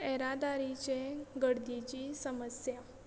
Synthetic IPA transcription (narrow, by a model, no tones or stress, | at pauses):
ɛɾad̪aɾit͡ɕeɡəɽd̪it͡ɕiːsəməsja